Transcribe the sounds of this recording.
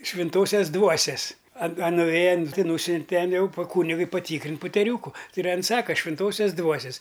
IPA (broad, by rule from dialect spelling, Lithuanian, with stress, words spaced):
ʃʲʋʲɪnˈtoːsʲɛs ˈdʋuɔsʲɛs ɐ ɐ nʊˈʋʲeːjɛ ɐn ˈtʲɪ ˈnuːsʲʊnʲtʲɛ ˈtʲɛn ˈjɛʊ pɐ ˈkuːnʲɪɡʊɪ pɐˈtʲiːkrʲɪnʲtʲ pʊtʲɛˈrʲuːkʊ ˈtɐɪ ɪr ˈɐn ˈsɑːkɐ ʃʲʋʲɪnˈtoːsʲoːs ˈdʋuɔsʲɛs